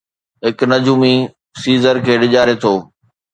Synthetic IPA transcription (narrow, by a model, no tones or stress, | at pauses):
ɦɪknɐd͡ʑuːmi | siːzəɾkʰeːɗɪʄaːɾet̪ʰoː